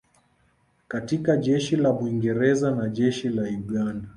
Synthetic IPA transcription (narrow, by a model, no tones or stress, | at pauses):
katikaʄɛʃilaɓuiŋɡɛɾɛzanaʄɛʃilauɠanda